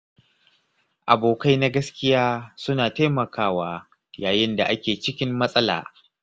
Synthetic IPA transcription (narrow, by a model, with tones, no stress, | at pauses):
ʔa˨boː˨ka˦jna˦ɡɐ˦skʲɪ˦jaː˦sʊ˦naː˨taː˦mɐ˨kʰaː˦waː˦ | jaː˨jɪ˦nda˨ʔa˦kʲeː˨t͡ʃɪ˦kʲɪ˦mːɐ˦sʼɐ˦la̰ː˨